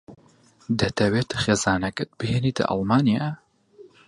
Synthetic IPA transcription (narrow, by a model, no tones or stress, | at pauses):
d̪ɐt̪ʰɐweːt̪χeːzaːnɐkɐt̪̚bɨɦenit̪ʰɐ̰ʔɑ̰lmaːnija